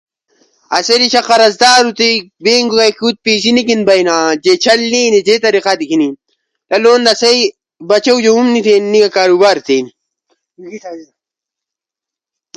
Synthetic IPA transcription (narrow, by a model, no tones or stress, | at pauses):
ɐseɾiɕɐqɐɾɐzd̪aːɾut̪ibeːŋɡukajkʰuːt̪̚piːsinikinbɐjnaːd͡ʑet͡ɕʰɐlneːned͡ʑet̪ɐɾiqat̪ikini | lɐloːnd̪ɐsej | bɐt͡ɕɐwd͡ʑohumnit̪ʰenːiɡɐkaːɾubaːɾt̪ʰeːni